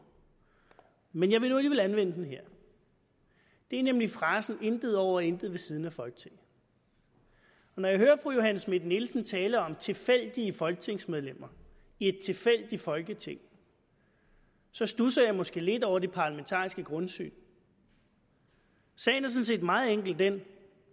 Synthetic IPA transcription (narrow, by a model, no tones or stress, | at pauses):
menjɑ̈ɪʋe̝nuliʋe̝lænʋen̰əd̥en̩ɦeɐ̰ | d̥e̝æɐnemlifʁɑ̈ːsn̩end̥ð̩ˠɒʊ̰ɐɒend̥ð̩ˠʋe̝sið̞ˠn̩æfɒ̽lɡ̥ə̥t͡sʰe̝ŋ̰ | ɒ̽nɒ̽jɑ̈ɪɦøːɐfʁujo̝ɦænsme̝d̥nelsn̩t͡sʰɛːləɒ̽mt͡sʰe̝lfel̰d̥iəfɒ̽lɡ̥ət͡sʰe̝ŋsmeð̞ˠlem̰ɐ | ied̥̚t͡sʰe̝fel̰d̥ifɒ̽lɡ̥ət͡sʰe̝ŋ̰ | sɒ̽sd̥usɐjɑ̈ɪmɒ̽sɡ̥e̝̰ːle̝d̥ɒʊ̰ɐd̥e̝pʰɑ̈læment͡sʰɑ̰̈ːisɡ̥əɡ̥ʁɔ̽nsy̰ːn | sɛ̰ɪnæɐs̬ɔ̽n̩se̝̰ːd̥mɑ̈ːð̩ˠeŋ̰ɡ̥l̩d̥en